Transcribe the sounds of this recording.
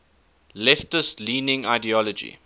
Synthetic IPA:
lɛftəstliːnɪ̃ŋaɪdiɔlɔd͡ʒḭ

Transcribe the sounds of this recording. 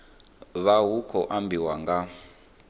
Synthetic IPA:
βaɦukʰɔʔambʱiwaŋɡa

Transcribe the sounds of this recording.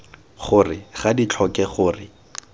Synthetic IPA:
χʊrɪχadit͡ɬʰɔkɛχʊːrɪ

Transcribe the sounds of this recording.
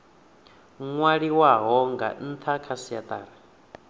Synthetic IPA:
ŋwaɺiwaɦɔŋɡa̰n̩t̪ʰakʰasijat̪ʼaːɾa

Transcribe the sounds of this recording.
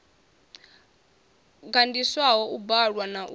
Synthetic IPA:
ɡandiswaɦɔubaɺwanaʔu

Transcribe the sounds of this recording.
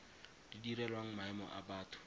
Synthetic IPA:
d̥idiɾɛlwaŋ̩maɛmɔ̰ʔabaːtʰʊ̥

